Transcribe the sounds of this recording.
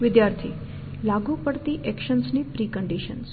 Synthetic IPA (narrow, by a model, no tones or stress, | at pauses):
ʋɪd̪jaɾt̪ʰḭ | laɡupəɽt̪iʔɛkʃənsnipɾikəɳɖiʃəns